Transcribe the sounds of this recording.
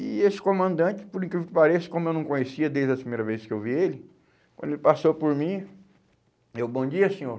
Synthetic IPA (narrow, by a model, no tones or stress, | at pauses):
iesɪ̥kõmɐ̃nd̪ɐ̃t͡ʃɪ̥pʊɾĩkɾivʊkɪpaɾesɪ̥kõmʊewnɐ̃w̃kõɲesiɐd̪ejzɐpɾimejɾɐveskɪewvielɪ | kwɐ̰̃d̪elɪpasopoɾmĩ | ewbõd͡ʒiɐsẽoɾ